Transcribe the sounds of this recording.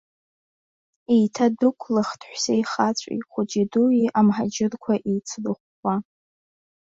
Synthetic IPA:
ijtʰadɨkʷʰlaχtʰħʷsajχat͡ɕʷʼḭχʷʊd͡ʒiduiʔamħad͡ʒɪrkʷʰaʔijt͡sʰlɨχʷ | a

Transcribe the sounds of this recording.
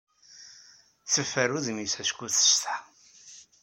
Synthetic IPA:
θəfːæɾuðmisæskuθə̥st̪

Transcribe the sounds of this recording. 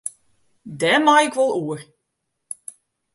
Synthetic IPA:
dɛmajɪkʋɔlˠuər

